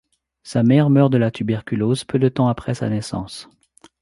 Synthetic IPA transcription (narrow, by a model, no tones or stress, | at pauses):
samɛʁmœʁd̪əlat̪ʰybɛʁkʲylozpød̪ət̪ɑ̃apχɛsa̰nɛsɑ̰̃s